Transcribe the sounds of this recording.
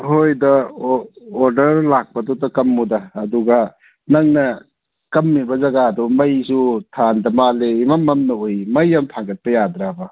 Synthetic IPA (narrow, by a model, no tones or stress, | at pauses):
hojdɐ | oɾdɐɾlak̚pɐdɔtɐkɐmːudɐːduɡa | nɐŋnɐ | kɐmːibɐzɐɡadɔmɐjsutʰandɐmaleimamːɐmnɐojmɐjamtʰaŋɡɐt̚pɐjadɾabɐ